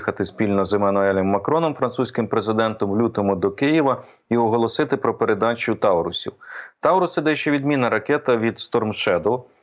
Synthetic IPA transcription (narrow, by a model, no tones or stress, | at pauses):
xɐt̪ɪspʲilʲnɔzemɛnɔɛlʲɪmːɐkɾɔnɔmfɾɐnt̪susʲkɪmpɾezɪd̪ɛnt̪ɔmlʲut̪ɔmʊd̪ɔkɪjiʋɐ | iɔɦɔlˠɔsɪt̪ɪpɾɔpeɾed̪ɑt͡ʃʊt̪ɑɾʊsʲḭwt̪ɑwɾʊsɪd̪ɛʃt͡ʃɛʋʲid̪mʲinɐɾɐkɛt̪ɐʋʲid̪st̪ɔrmʃɛd̪ɔ